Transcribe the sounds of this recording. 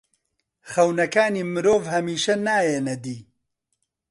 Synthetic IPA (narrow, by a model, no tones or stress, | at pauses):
χɐwnɐkaːniːmɨɾoːvhɐmiːʃɐnaːjeːnɐd̪iː